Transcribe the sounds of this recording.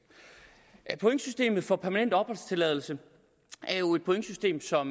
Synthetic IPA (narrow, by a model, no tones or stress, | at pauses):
pʰoeŋ̰sysd̥e̝̰ːmð̞̩ˠfɒ̽pʰæɐmænen̰d̥ɒ̽b̥ɒlst͡sʰe̝lɛ̰ð̞ˠl̩sə | æɐjo̝e̝d̥pʰoeŋ̥sysd̥e̝̰ːmsɒ̽m